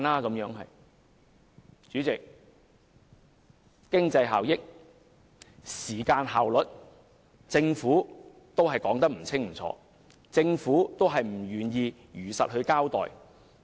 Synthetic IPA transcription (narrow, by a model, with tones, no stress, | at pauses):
naː˥kɐ˨˥mjœː˨˥ŋɦɐ̰˨j | t͡ʃyː˨˥t͡sɪ˨k̚ | kːɪ˥ŋt͡sɐ˧jɦaː˨wjɪ˥k̚ | siː˨˩kaː˧nɦaː˨˩wlɵ˨t̚ | t͡sɪ˧ŋfuː˨˥ | t̪o˥whɐ˨jkɔː˨˥ŋt̪ɐ˥k̚m̩˨˩t͡sʰɪ˥ŋm̩˨˩t͡sʰɔ̰ː˧ | t͡sɪ˧ŋfuː˨˥t̪o˥wɦɐ˨jm̩˨˩jyː˨njiː˧ | jyː˨˩sɐ̰˨t̚ɦɵ˨˧ɥkaː˥wt̪ɔ̰ː˨˩j